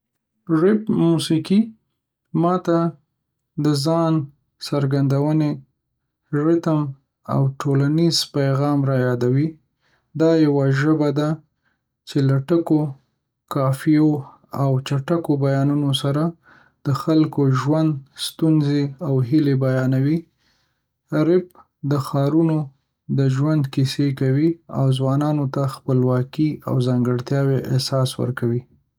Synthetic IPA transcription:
ʐɪpmusiki | mɑt̪a | d̪əzɑn | saɾɡand̪awəne | ɾɪt̪m | a̰wʈʰolaniz̥pajɣɑmɾɑjɑd̪awi | d̪ɑjawaʒəbad̪a | t͡ʃelaʈəko | kɑfio | awt͡ʃaʈakobajɑnunosaɾa | d̪̥əxalkoʒwand̪st̪unzeawɦilebajɑnawi | ɾɪp̚ | d̪əxɑɾuno | d̪əʒwand̪kisekawia̰wzwɑnɑnot̪axpəlwɑkia̰wzɑŋɡəɽt̪jɑweʔɪsɑswə̰ɾkawi

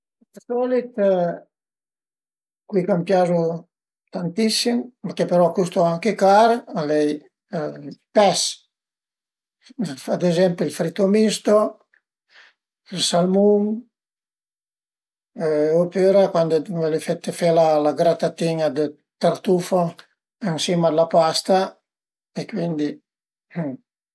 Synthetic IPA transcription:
d̪sɔlit̪ | kwikampjazo | t̪ant̪isimmakepeɾɔkust̪oaŋkekaɾalɛj | pɛs | fad̪ezɛmpilfɾit̪omist̪o | ilsalmum | opøɾakwand̪oalefet̪ːefɛlalaɡɾat̪at̪iɲad̪ə | t̪aɾt̪ufo | ɛnsimad̪lapast̪a | ekwind̪i

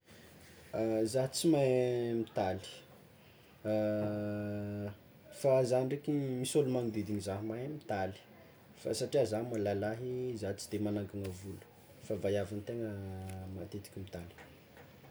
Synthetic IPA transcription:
azaɦt͡simajmit̪ali̥ | fazanɖ͡ʐekʲimisolumaŋid̪ed̪iɲizaɦmajmit̪ali̥ | fa̰saʈ͡ʂiazanmalalaɦizat͡si̥d̪emanaŋkaŋavulu̥ | favajavant̪eŋəmat̪et̪i̥kʲimit̪ali̥

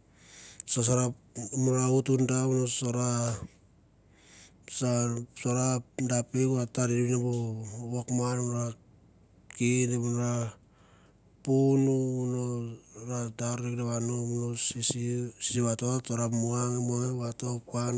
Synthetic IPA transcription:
sos̬aɾamunɾautundaunosoɾa | sasoɾadapekuɾataɾidiβinabuwokmanmnɾa | kidemunoɾa | punuunoɾadaɾɾekdaβanomunosiisisiβatoatoɾamuaŋemaŋeβatopan

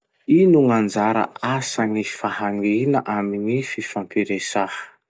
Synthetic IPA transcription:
inuŋand͡zaɾə̰asanifahaŋinəʔaminififampiɾesahə̥

